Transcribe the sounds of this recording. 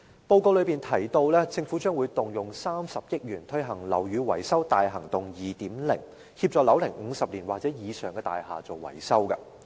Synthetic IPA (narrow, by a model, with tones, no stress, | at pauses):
po˧wko˧wlɵ˨˧ɥpiː˨˩nt̪ʰɐ˨˩jt̪o˧wlɛː˥t͡sɪ˧ŋfu˨˥t͡ʃœː˥ŋwuː˨˧jt̪ʊ˨ŋjʊ˨ŋsaː˥msɐ˨p̚jɪ˥k̚jyː˨˩nt̪ʰɵ˥jɦɐ˨˩ŋlɐ̰˨˩wjyː˨˧wɐ̰˨˩jsɐ˥wt̪aː˨jɦɐ˨˩ŋt̪ʊ˨ŋjiː˨t̪iː˨˥mlɪ˨˩ŋ | hiː˧p̚t͡sɔː˨˩lɐ˨˥wlɪ˨˩ŋŋ̩˨˧sɐ˨p̚liː˨˩nwaː˨t͡sɛː˨˥jiː˨˧sœː˨˩ŋkɛː˧t̪a̰ː˨jɦaː˨˩t͡so˨wwɐ̰˨˩jsɐ˥wkɐ̰˧